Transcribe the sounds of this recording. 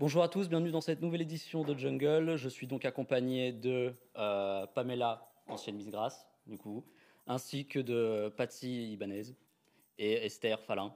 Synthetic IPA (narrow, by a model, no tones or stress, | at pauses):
b̥ɔ̃ʒuʁat̪usbjɛ̃vnyd̪ɑ̃sɛt̪nuvɛled̪isjɔ̃d̪əd͡ʒəŋɡœlʒəsɥid̪ɔ̃kakɔ̃paɲed̪ə | øpamela | ɑ̃sjɛnmizɡʁas | d̪yku | ɛ̃sikʲəd̪əpat̪ilibanɛz | eɛst̪ɛʁfalɛ̃